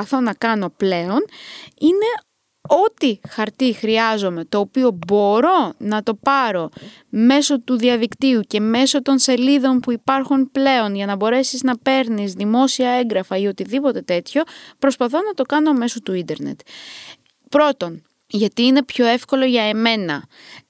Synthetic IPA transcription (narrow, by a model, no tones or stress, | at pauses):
ɐθo̞nɐkɐno̞ple̞o̞nine̞ | o̞t̪ixɐɾt̪ixɾiɐzo̞me̞t̪o̞ːpio̞bo̞ɾo̞nɐt̪o̞pɐɾo̞ | me̞so̞t̪uðiɐðikt̪iuce̞me̞so̞t̪o̞nse̞liðo̞npuipɐɾxunple̞o̞nʝɐnɐbo̞ɾe̞siznɐpe̞ɾnizðimo̞siɐe̞ŋɡɾɐfɐio̞t̪iðipo̞t̪e̞t̪e̞t̪ço̞pɾo̞spɐθo̞nɐt̪o̞kɐno̞me̞so̞t̪uind̪e̞ɾnḛt̪ | pɾo̞t̪o̞n | ʝɐt̪iːne̞pço̞e̞fko̞lo̞ʝɐeme̞nɐ̰